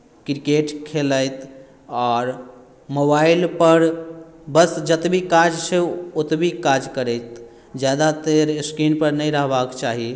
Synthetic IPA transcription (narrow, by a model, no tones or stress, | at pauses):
kɾikeʈkʰeləjt̪ | ɔɾ | mobailpəɾ | bəsd͡ʒət̪bikaɾd͡ʒsʰeot̪bikaɾd͡ʒkəɾəɪt̪ | d͡ʒjad̪at̪eɾskinpəɾnəjɾəɦbakt͡ʃaɦi